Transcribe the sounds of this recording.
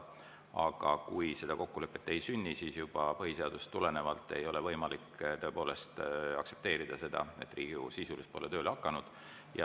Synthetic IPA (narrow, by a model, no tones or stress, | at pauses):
ɑ̰ɡ̥ɑkujse̞d̪̥ɑko̞kːule̞pːet̪ːe̞jsynʲːisiːsjub̥ɑpɤɦise̞ɑd̪̥ust̪ːule̞ne̞vɑlt̪ːˑe̞jo̞levɤjmɑlikːˑt̪oø̞epo̞ːle̞st̪ɑkse̞p̚t̪e̞ːɾid̪̥ɑse̞d̪̥ɑ̰e̞̰t̪ːˑriːɡ̥ṵsisulispo̞let̪ø̞ːlɑkːˑɑnud̪̥ | jɑ